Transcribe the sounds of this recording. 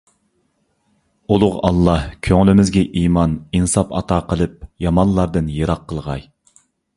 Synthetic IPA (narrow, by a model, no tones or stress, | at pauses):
ulˠʊʁɑ̰lˠːɑhkʲʰøŋlɪmɪzɡʲɛʔimɑninsɑpɑ̰t̪ʰɑːqʰəlˠɨp̚jɑmɑnlˠːɑɾd̪ɨnjeɾɑqʰːəlˠʁɑj